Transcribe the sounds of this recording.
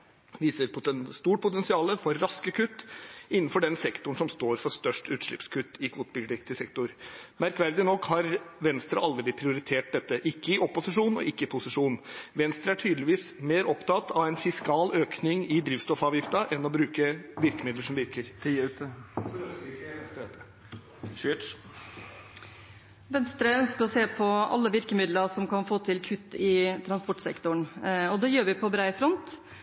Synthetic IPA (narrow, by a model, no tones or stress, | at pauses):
ʋiːsəɾpʰʊst̪uːʈ̚pʰʊt̪ɛnsɪɑːləfɔɾːɑskəkʰʉt̪ːɪnːnfɔɖɛnsɛkt̪ʊɳsɔmst̪oːɾfɔɾʂt̪œʂʈʉːt̪ʂɭɪpskʰʉt̪ːɪkʰuːt̪bɪɡ̪ɪkt̪ɪsɛkt̪ʊɾmæɾkʋæɾd̪ɪnɔkːhɑɾʋɛnst̪ɾə̰ʔɑld̪əɪpʰɾɪʊɾɪt̪ʰeːʈ̚d̪ɛt̪ːəʔɪkːəɪʔɔpːʊsɪʂuːnɔ̰ʔɪkːəɪpʰʊsɪʂuːnʋɛnst̪ɾəæʈʰyːd̪lɪʋiːsmeːɾɔpt̪ɑt̪ʰːɑʋæɪnfɪskɑːløːknɪŋɪd̪ɾiːʋst̪ɔfɑːʋjɪft̪ɑʔɛnːɔbɾʉːkəʋɪɾkəmɪd̪ləʂɔmʋɪɾkəɾt̪ʰiʉt̪əɾøsɪkɛnst̪ɾt̪ə | ʋɛnst̪ɾəœnskəɾɔseːpʰɔʔɑ̰lːəʋɪɾkəmɪd̪ləsɔmkɑnfoːt̪ʰɪlkʰʉt̪ːɪt̪ʰɾɑnspɔʈːsɛ̰kt̪ʊɳɔd̪ɛjøːɾʋɪpʰɔbɾæɪfɾɔnt̪